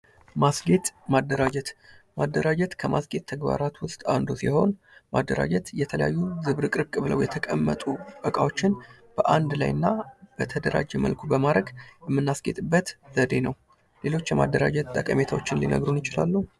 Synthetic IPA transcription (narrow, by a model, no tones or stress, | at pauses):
masɡe̞t̪mad̪ːəɾad͡ʒɛt̪mad̪ːəɾad͡ʒɛt̪kʰəmasɡe̞t̪ʰːəɡba̰ɾat̪wʊst̪ʼa̰nd̪usiho̞n | mad̪ːəɾa̰d͡ʒɛt̪jɛt̪ʰələja̰jːuzɨβɾɨkʼɨɾbkʼɨβləwjɛt̪ʰəkʼəmːə̰t̪ʼukʼəkʼawo̞t͡ʃːɪn | b̥əʔand̪la̰jɨnːab̥ət̪ʰəd̪əɾa̰d͡ʒɛmə̰lkʰubəmaɾəɡjɛmːɨnːasɡet̪ʼɨbːət̪zəd̪e̞nəw | le̞lo̞t͡ʃːjɛma̰d̪ːəɾad͡ʒɛt̪t̪ʼːəkʼəme̞t̪ʰawot͡ʃːɪnlḭnə̰ɡɾunjɪt͡ʃɪla̰lːuhu